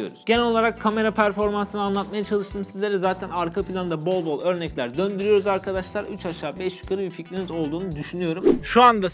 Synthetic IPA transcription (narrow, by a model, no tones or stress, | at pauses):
o̞̰ɾuz̥ɟe̞nɛo̞lˠaɾakʰːame̞ɾapʰæɾfo̞ɾmansɯnɯanlˠat̪majat͡ʃʰalˠɯʃt̪ʰɯːmsizlʲe̞ɾɛzaːt̪ʰænaɾkʰapʰilʲˠand̪abo̞lˠbo̞lˠø̞ɾnɛclʲæɾd̪ø̞nd̪yɾyjo̞ɾuzaɾkʰad̪aʃlˠaɾyt͡ʃʰaʃaːbɛʃy̥kʰaɾɯbificɾinizo̞lˠd̪uːnud̪yʃynyjo̞ɾumʃuand̪a